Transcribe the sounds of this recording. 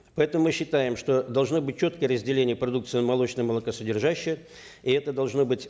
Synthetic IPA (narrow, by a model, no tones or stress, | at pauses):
pɐɛt̪əmʊmɨɕːɪt̪ajɪmʂt̪o̞d̪ɐlˠʐnobɨt̚ʲt͡ɕːo̞t̪kəjərəzʲdʲɪlʲenʲɪjəpɾɐd̪uk̚t̪sɨjɪnmɐlˠo̞t͡ɕnəjməlˠɐkɐsədʲɪrʐaɕːɪjə | ɪɛt̪əd̪ɐlˠʐno̞bɨtʲ